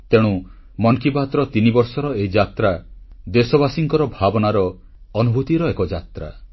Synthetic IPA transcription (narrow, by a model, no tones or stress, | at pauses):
t̪eɽ̃u | mɔnkipat̪ɾɔt̪inibɔɾsɔɾɔeid͡ʒat̪ɾa | d̪esɔβasiŋkɔɾɔbʱabɔnaɾɔː | nubʱut̪iɾɔekɔd͡ʒat̪ɾa̰